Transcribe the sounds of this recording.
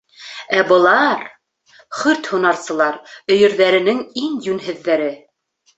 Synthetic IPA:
æbɤ̆lˠɑɾ | χɵɾt̪hunɑɾsɤ̆lˠɑɾɵ̆jɵ̆ɾðæɾɘ̆nɘŋiŋjʉnɦɘ̆ðːæɾɘ

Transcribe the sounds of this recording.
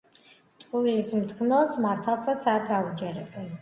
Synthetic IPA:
t̪ʼqʼuilismt̪ʰkʰmɛlˠsmaɾt̪ʰalˠsat̪sʰaɾɡaud͡ʒɛɾɛbɛn

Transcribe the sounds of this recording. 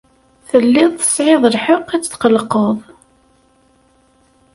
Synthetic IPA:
θəlːɪðˤθə̥sˤʕeðˤəlħəqːæt͡sːət̪qəlqəðˤ

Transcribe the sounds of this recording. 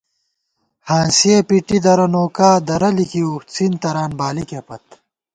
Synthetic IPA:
hãːnsiepiʈid̪ɐɾɐnoːkaːd̪ɐɾɐlikiut͡sint̪ɐɾaːnbaːlikepɐt̪̚

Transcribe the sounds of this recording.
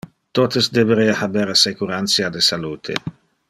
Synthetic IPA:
t̪ot̪esd̪ebeɾeahabeɾsekuɾansiad̪esalut̪ʰḛ

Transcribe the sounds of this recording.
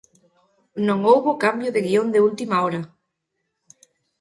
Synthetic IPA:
nõŋowβokambjoðeɣiond̪eult̪imaɔɾa

